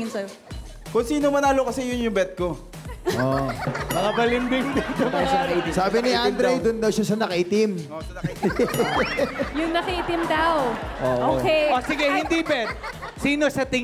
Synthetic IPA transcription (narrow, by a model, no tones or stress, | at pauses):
ɪnsɐ | kʊŋsiːnomɐnaːlokɐsɛjʊnjʊŋbɛt̪̚ko̞ | ʔonɐkɐbɐlɪmbɪŋd̪ɐd̪ɐɐʃɐɐkɐʔit̪ɪsaːbɪniʔand̪ɾɛjd̪ʊnd̪ɐwʃasɐnɐkɐʔit̪ɪm | jʊŋnɐkɐʔit̪ɪmd̪ɐoʔoːʔʔokeʔosɪɡɛhɪnd̪ibɛt̪̚siːno̞sɐt̪ɪ